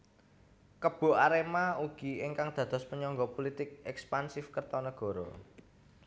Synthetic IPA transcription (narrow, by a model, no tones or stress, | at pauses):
kəb̥o̤aɾemauɡ̥i̤ɪŋkaŋd̪̥ä̤d̪̥ɔ̤spəɲɔŋɡɔpolit̪ɪk̚ɛkspansɪfkərt̪ɔnəɡ̥ɔ̤ɾɔ̰